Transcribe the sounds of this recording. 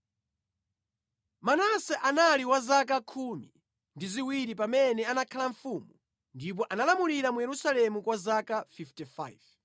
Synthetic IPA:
manasɛʔanaliwazak̬akʰumi | ndiziwiɾip̬amɛnɛanakʰalaɱfuːmu | ndip̬ɔʔanalamuliɾamujɛɾusalɛmukwazakafiftifa̰jv

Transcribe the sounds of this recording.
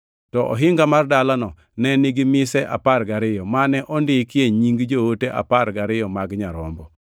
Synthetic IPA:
tɔʔɔ̰ɦɪŋɡamardalanɔ | nɛnɪɡɪmɪsɛʔa̰parɡaɾɪjɔmanɛʔɔndɪkɪeɲiŋɡd͡ʒooteʔa̰paɾɡaɾɪjɔmaɡɲaɾɔ̰mbɔ

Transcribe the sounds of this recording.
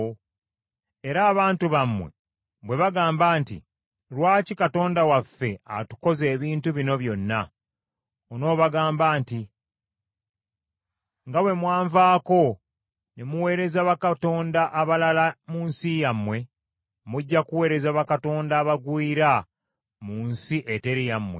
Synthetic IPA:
e̞ɾaːβaːntuβamːwe̞̰ | βwe̞βaɡaːmbaːntḭ | ɾwaːcikato̞ːndawafːe̞atu̥ko̞ze̞ːβiːntuβino̞βjo̞nːa | ono̞ːβaɡaːmbaːnti | ŋɡawe̞mwaːɱvaːko̞ | nemuwe̞ːɾe̞zaβakato̞ːndaʔːβalalamuːnsijamːwe̞ | muɟːakuwe̞ːɾe̞zaβakato̞ːndaːβaɡwiːɾa | muːnsiʔete̞ɾijamwe̞

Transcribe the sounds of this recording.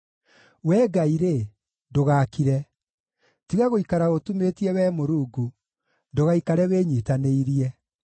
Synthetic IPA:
wɛːɡaiɾe | doɣaːkiɾɛ | tiɣaɣoikaɾaotumetiɛwɛːmoɾuːɡu | ndoɣaikaɾɛweːɲitaneiɾiɛ

